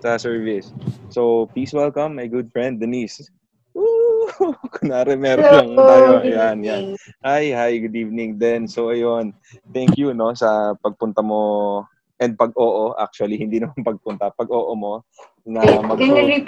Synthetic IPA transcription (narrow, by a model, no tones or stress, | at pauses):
sɐsɛɹvɪsːowpliswɛlkɐ̃mːɐjɡʊd̪̚fɹɛnd̪̚ːɛnis | ʔu | kʊŋnɐɾɛmɛɾɐŋajojanjanʔajhajɡʊd̪iːvnɪŋd̪ɛnsowɐjon | t̪ɛŋkjuno̞sɐpɐɡ̚pʊnt̪ɐmo̞ | ʔɛnd̪̚pɐɡ̚ʔoːʔoʔa̰k̚t͡ʃuɐlihɪnd̪iːnɐmampɐɡ̚pʊnt̪ɐpɐɡʔoːʔomo̞ | nɐmɐɡli